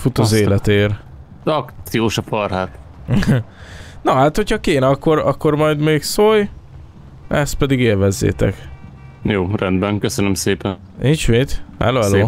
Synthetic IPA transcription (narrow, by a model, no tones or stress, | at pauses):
fut̪ɒzeːlɛt̪eːr | ɒktt̪sijoːʃɒfɒrɦaːt̪ | nɒɦaːt̪ho̞chɒkeːnɛɒkːo̞ɾɒkːo̞rmɒjd̪meːksoj | ɛst̪̚pɛd̪iɡeːlvɛzːḛːt̪ɛ̰k | joːrɛnd̪bɛŋkøsønømseːpɛn | nint͡ʃmeːt̪hɛ̰loːɛloː